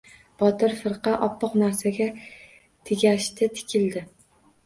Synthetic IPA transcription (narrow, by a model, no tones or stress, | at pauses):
b̥ɒt̪ɪɾfɨɾqɑʔɒpːɑqnaɾsaɡʲa | t̪ʰɪɡʲaʃt̪ʰɪt̪ʰɪ̥kʲʰɪld̪ɪ